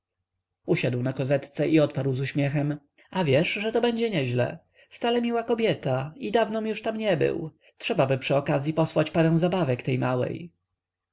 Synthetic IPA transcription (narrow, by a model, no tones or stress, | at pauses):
uɕad̪wnakɔzɛt̪t̪sɛʔiɔt̪̚paɾwzuɕmʲjɛxɛm | avʲjɛʂʐɛt̪ɔbɛɲd͡ʑɛɲɛʑlɛ̰ | ft̪salɛmʲiwakɔbʲjɛt̪aid̪avnɔ̃mjuʂt̪amɲɛbɘ̰w | tʂɛbabɘpʂɘɔkazʲjipɔswat͡ɕpaɾɛ̃w̃zabavɛkt̪ɛjmawɛ̰j